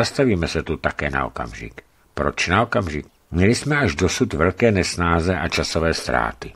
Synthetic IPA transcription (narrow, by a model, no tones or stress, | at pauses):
ast̪aviːmɛsɛt̪ut̪akɛːna̰o̰ka̰mʒɪ̰k | pɾo̞t͡ʃnao̞kamʒɪk̚ | mɲɛlɪsmɛaʒdo̞sut̪vɛlkɛːnɛsnaːzɛʔat͡ʃasovɛːst̪ɾa̰ːt̪ɪ